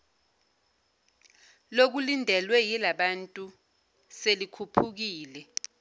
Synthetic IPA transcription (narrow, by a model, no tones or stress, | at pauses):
lok̬ulindʱɛlwɛjilaɓantʼu | selikʰupʰuk̬iːlɛ